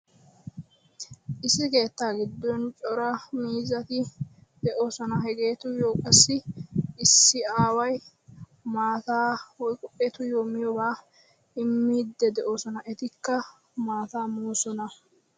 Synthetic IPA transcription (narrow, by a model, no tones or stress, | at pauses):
ʔɪsɪke̞ːt̪ːaːɡɪd̪ːɔnt͡ʃʼɔɾɐmiːzɐt̪ɪ | d̪̥ɛʔo̞ːsɔnɐɦɛɡe̞ːt̪ʊjoːkʼɐsːɪː | sːɪaːwɐj | maːt̪aːwɔjkʼɔʔet̪ʊjoːmɪjɔbaː | ɪmːiːd̪ːɛd̪ɛʔo̞ːsɔnɐʔɛt̪ɪkːɐ | maːt̪aːmuːsɔnɐ